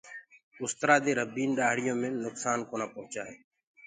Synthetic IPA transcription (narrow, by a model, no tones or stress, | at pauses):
ʊst̪ɾaːd̪eːɾəbiːnɗaːɦɽ̤ɪjõːmẽːnʊksaːnkoːnaːpəɦʊt͡ʃaːɦeː